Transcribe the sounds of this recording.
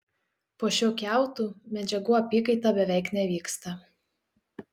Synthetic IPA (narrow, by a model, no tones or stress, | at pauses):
poːʃʲoːkʲæˑʊt̪uːmʲɛd͡ʒʲɛɡuːɐpʲiːkɐɪt̪ɑbʲɛʋʲɛɪknʲɛʋʲiːkst̪ɐ